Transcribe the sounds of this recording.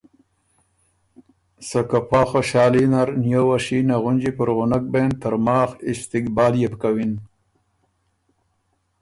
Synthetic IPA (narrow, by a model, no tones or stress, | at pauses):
sakapʰaːxoɕɑːlinaɾnjowaʃinaɣʊnd͡ʒipəɾʁʊnak̚bent̪əɾmɑːxɪst̪ikbaːljepkawin